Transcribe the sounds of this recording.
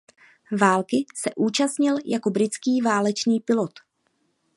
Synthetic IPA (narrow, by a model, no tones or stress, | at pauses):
vaːlkɪsɛʔuːt͡ʃast̪ɲɪljako̞bɾɪt͡skiːvaːlɛt͡ʃniːpɪlo̞t̪